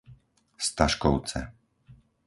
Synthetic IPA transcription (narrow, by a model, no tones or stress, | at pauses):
st̪aʃkɔʊt͡sɛ̰